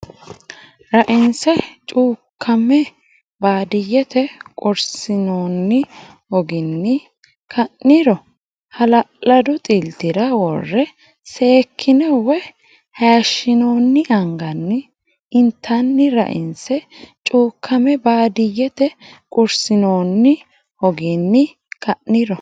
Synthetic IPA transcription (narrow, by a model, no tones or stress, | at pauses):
ɾɐʔɪnsɛt͡ʃʼuːkʰːɐmɛ | baːd̪ɪjːɛt̪ɛkʼʊɾsɪnoːnːɪ | ɔɡɪnːɪ | kʰɐnːɪɾɔ | hɐlɐlɐd̪ʊt̪ʼɪlt̪ɪɾɐwɔ̰rːɛ | se̞ːkʰːɪnɛwɛ | hajʃːɪnoːnːɪʔɐŋɡɐnːɪ | ɪnt̪ʰːɐnːɪɾɐ̰ʔɪ̰nsɛt͡ʃʼuːkʰːɐmɛbaːd̪ɪjːɛt̪ɛ | kʼʊɾsɪnoːnːɪ | hɔɡɪnːɪ | kʰɐnːɪɾɔ